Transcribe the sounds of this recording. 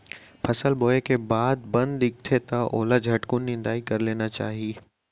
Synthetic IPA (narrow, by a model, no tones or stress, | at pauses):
pʰɐsəlboːekebaːd̪̚bɐ̃nd̪d̪ɪk̚t̪ʰet̪ɐʔoːlad͡ʒʱɐʈkʊnːɪ̃nd̪aːikɐɾleːnat͡ʃa̰ːɦieː